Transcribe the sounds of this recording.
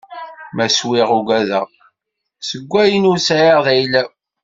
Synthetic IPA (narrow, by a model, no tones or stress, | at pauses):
mæswiʁuɡæðæ | səɡʷːæjənusʕiʁðæjlæ